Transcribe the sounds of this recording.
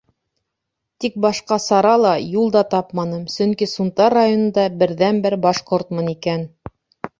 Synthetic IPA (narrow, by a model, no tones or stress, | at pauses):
t̪ik̚bɑʃqɑsɑɾɑlˠɑjulˠd̪ɑt̪ɑpmɑnɤmsɵŋkisunt̪ɑrːajonɤ̆nd̪ɑbɘ̆ɾðænbɘɾbɑʃqoɾt̪mɤnikæn